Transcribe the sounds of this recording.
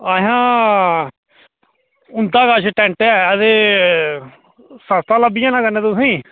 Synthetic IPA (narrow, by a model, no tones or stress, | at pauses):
əɦãː | ʊnd̪aːkaːʃʈɛ̃ːɳʈːɛːəd̪eː | səst̪aːləbɪjãːnãːkəneːd̪oːsĩː